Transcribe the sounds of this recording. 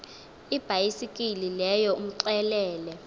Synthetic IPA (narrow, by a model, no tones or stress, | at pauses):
ib̥ʱajisikʼililɛjɔum̩ǀɛlɛːlɛ